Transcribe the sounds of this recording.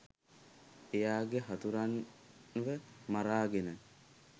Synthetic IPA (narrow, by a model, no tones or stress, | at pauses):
ejaːɡeɦat̪uɾanʋəmaɾaːɡenə